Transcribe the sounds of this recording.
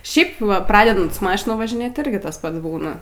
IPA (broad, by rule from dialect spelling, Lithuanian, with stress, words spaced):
ˈʃʲɛɪp ˈʋɐ ˈprɑːdʲɛdɐnt sʊ ˈmɑːʃʲɪnɐ ʋɐʒʲɪˈnʲeːt ɪˈrʲɡʲɪ ˈtɐs ˈpɐts ˈbuːnɐ